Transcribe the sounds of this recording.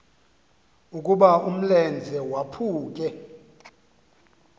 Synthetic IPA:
ukʼuɓaum̩lɛnd͡zʱɛwapʰuːk̬ʼɛ

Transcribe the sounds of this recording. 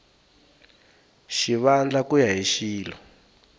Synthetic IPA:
ʃiβand͡ɮakujaɦiʃiːlɔ

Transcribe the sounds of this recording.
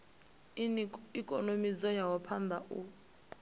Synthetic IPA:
ikʼɔnomid͡zɔjawɔpʰand̪ʱaʔu

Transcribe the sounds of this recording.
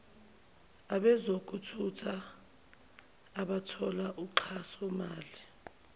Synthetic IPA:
aɓɛzok̬ʼutʰutʰa | ɓatʰɔlaʔuǃʰasɔmaːli

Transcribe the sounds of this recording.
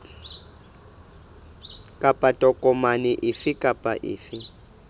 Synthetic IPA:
kʼapʼatʼɔkʼɔmanɪʔɪfɪkʼapʼa̰ʔɪ̰ːfɪ

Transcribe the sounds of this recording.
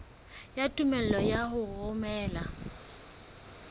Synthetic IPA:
jatʼumɛl̩lɔjaɦʊɣʊmɛːla

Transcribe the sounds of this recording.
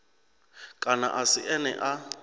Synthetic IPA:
kʼana̰ʔasiʔɛnɛ̰ʔa

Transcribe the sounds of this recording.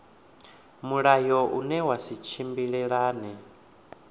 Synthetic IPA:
muɺajɔʔṵnɛwasit͡ʃʰimbiɺɛɺaːnɛ

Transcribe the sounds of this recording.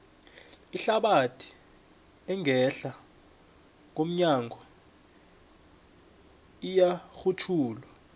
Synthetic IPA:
iɬaɓatʰi̥ | ɛŋʱɛɬa | ŋ̬om̩ɲaŋɡʱɔ | ijaxutʰuːlwa

